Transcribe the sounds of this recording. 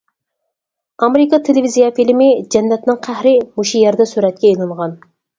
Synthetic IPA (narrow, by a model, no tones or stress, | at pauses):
ɑmeɾɪkɑt̪ʰelɪvizijɑfilmɪd͡ʒɛnːɛt̪nɪŋqʰæhɾɪmuʃujɛɾd̪ɛsyɾɛt̪̚kʲɛelˠɨɴʁɑn